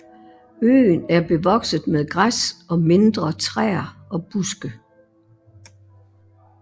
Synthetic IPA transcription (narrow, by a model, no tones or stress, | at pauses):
ø̰ːnæɐb̥e̝ʋɒ̽ɡ̥səð̩ˠmeðˠɡ̥ʁasɒ̽me̝nd̥ʁɐt͡sʰʁɛ̰ːɐɒ̽b̥usɡ̥ə